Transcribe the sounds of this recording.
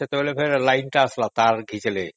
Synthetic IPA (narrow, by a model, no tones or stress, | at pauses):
et̪ebolepʰeɾelajnʈaaslat̪aɾɡʱit͡ɕele